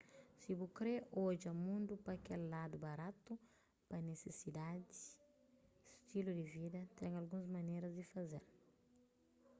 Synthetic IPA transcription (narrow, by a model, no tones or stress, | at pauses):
sibukɾeoʒiɐmũnd̪upɐkɛllad̪ubaɾat̪u | pɐnesesid̪ad̪i̥ | st̪ilud̪ivid̪ɐt̪ɛ̃ŋɐlɡũzmɐneɾɐzd̪ifɐzḛɾ